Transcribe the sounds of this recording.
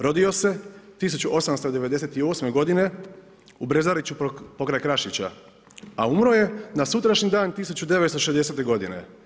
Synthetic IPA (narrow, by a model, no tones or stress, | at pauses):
ɾo̞d̪io̞se̞t̪is̬ut͡ɕuʔo̞samst̪o̞d̪e̞ʋe̞d̪e̞set̪io̞ːsme̞ɡo̞d̪ine̞ | ubɾe̞zaɾit͡ɕupo̞kɾajkɾaʃit͡ɕa̰ | aumɾo̞je̞nasut̪ɾaʃɲid̪aːnt̪isut͡ɕud̪e̞ʋet̪st̪oʃe̞zd̪e̞seːt̪e̞ɡo̞d̪ine̞̰